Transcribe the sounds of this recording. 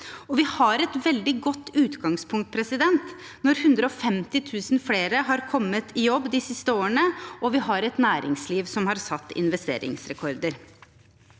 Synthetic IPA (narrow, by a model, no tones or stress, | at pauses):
ɔʋɪhɑɾɛt̪ʋɛld̪ɪɡɔt̪ːʉːt̪ɡɑŋspʰʊŋkt̪̚pʰɾɛsɪd̪ɛnt̪ | nɔɾhʉnd̪ɾəɔfɛmt̪ɪt̪ʰʉːsnfleːɾəɦɑɾkʰɔmːət̪ʰɪjɔbːd̪ɪsɪst̪əoːəɳəʔɔʋɪhɑɾɛt̪næːɾɪ̰ŋsliːʋsɔmhɑɾsɑt̪ːɪ̰nʋɛst̪ḛːɾɪ̰ŋsɾɛkʰɔɾd̪əɾ